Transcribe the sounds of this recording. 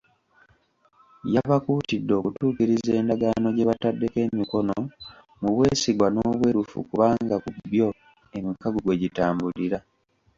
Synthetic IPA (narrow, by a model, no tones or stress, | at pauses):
jaβakuːtidːo̞ːkutuːkiɾize̞ːndaɡano̞ɟe̞βatadːe̞ke̞ːmiko̞no | muβwe̞siɡwano̞ːβwe̞ːɾufṵkuβaːŋɡakubjo̞ | e̞mikaɡuɡwe̞ɟitaːmbuliɾa